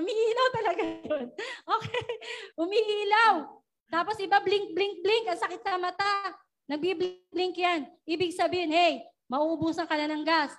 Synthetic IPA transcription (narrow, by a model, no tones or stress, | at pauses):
ʊmiʔiːlɐwt̪ɐlɐɡajonʔoːkɛhʊmiʔiːlaw | t̪aːposʔɪbablɪŋk̚blɪŋk̚blɪŋkʔɐŋsɐkɪt̪̚sɐmɐt̪a | nɐɡ̚biblɪŋblɪŋkjanʔiːbɪɡ̚sɐbiːhɪnɛj | mɐʔuːʔʊbuːsɐŋkɐlɐnɐŋɡas